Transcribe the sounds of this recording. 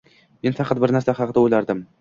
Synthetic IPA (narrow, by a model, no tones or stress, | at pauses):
me̞nfɑqʰɑt̪̚bɪɾnaɾsaχɑqd̪aɵlaɾd̪ɪm